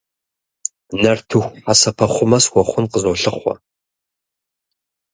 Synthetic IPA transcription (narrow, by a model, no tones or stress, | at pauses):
nɐrtʰɨxʷasɐpʰɐχʷʊmɐswɔχʷʊnqəzoːɬɨχʷɔ̰